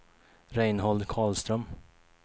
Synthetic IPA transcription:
ɾɛɪnhɔld̪kʰɑːɭst̪ɾœm

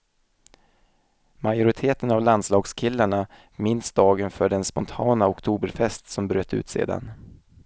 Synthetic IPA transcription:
majʊɾɪt̪ʰeːt̪ənavland̪slɑːɡskʰɪlːaɳa | mɪnsd̪ɑːɡənfœɖɛnspɔnt̪ʰɑːnaɔkt̪ʰuːbəɾfɛst̪sɔmbɾøːt̪ʉ̟ːt̪sḛːd̪a̰n

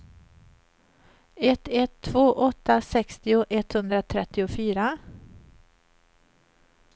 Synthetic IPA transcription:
ɛt̪ɛt̪ʰːv̥oːʔɔt̪ːasɛkst̪ɪʊʔɛt̪hɵnd̪ɾat̪ʰɾɛt̪ːɪʊfyːɾa

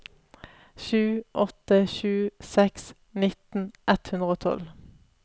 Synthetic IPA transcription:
ʃʉːʔɔt̪əʃʉːsɛks | nɪt̪n̩ʔɛt̪hʉnd̪ʁəoːt̪ʰɔ̰l

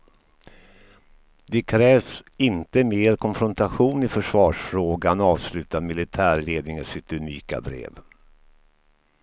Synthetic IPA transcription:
d̪ɛkʰɾɛːvsɪnt̪əmeːɾkʰɔnfɾɔnt̪aɧuːnɪfœʂvɑːʂfɾoːɡanɑːvslʉ̟ːt̪amɪlɪt̪ʰæːɾɭeːd̪nɪŋəsɪt̪ɵniːka̰bɾḛːv

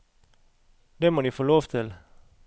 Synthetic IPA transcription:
d̪̥emodifoːloːʋt̪ʰɪl

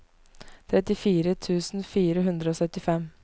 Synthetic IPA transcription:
t̪ʰɾɛt̪ɪfiːɾət̪ʰʉːsnfiːɾəɦʉnd̪ɾəoːsœt̪ːɪfɛm

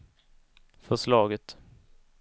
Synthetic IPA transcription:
fœʂlɑːɡət̪

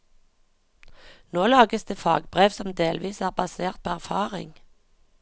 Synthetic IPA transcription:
noːlɑːɡəsd̪eːfɑ̰ːɡbʁeːʋsɔmd̪eːlʋiːsæːʁbɑseːʁt̪̚pʰoːæʁfɑːʁɪ̰ŋ

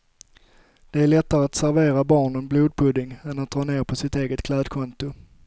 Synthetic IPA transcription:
d̪̥ɛæɭɛt̪ːaɾəat̪sæɾveːɾabɑːɳənbluːd̪̚pʰɵd̪ɪŋɛnat̪̚d̪ɾɑːneːɾpʰɔsɪt̪eːɡət̪kʰlɛːd̪kʰɔnt̪ʊ

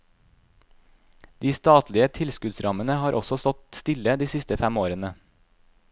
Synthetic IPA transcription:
d̪̥iːst̪ɑːt̪lɪət̪ʰɪlskʉd̪sɾɑmənəhɑːɾʔɔsɔst̪ɔt̪st̪ɪləd̪iːsɪst̪əfæmoːɾənə

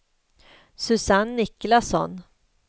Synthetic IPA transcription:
sɵsanːɪklasɔ̰n

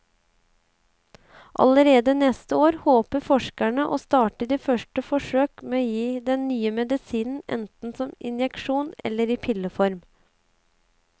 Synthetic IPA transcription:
ʔɑ̰ləɾeːd̪ənɛst̪əoːɾhoːpəfɔʂkæɳəʔoːst̪ɑːʈəɖ̪iːfœʂʈəfɔʂøːkmeːoːjiːd̪ɛnnyːəmɛd̪ɪsiːnn̩ɛ̰nt̪n̩sɔmɪ̰njɛkʃuːnɛ̰lːəɾiːpʰɪləfɔɾm

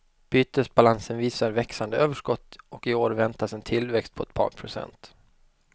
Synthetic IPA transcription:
b̥yːt̪əsbalansənviːsaɾvɛksand̪əøːvəʂkɔt̪ːɔkɪoːɾvɛnt̪asɛnt̪ʰɪlvɛkst̪̚pʰɔɛt̪̚pʰɑ̰ːɾpʰɾʊsɛ̰nt̪

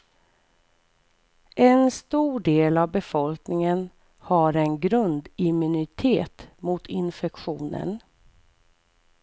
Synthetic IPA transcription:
ʔɛnst̪uːɖeːlavbɛfɔlknɪŋən | haɾɛnɡɾɵnd̪ɪmɵnɪt̪ʰeːt̪mʊt̪ʰɪnfɛkɧuːnə̰n

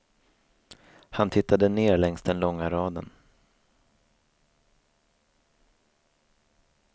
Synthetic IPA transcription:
hant̪ʰɪt̪ːad̪əneːɾɭɛŋst̪d̪ɛnlɔŋːaɾɑːd̪ə̰n

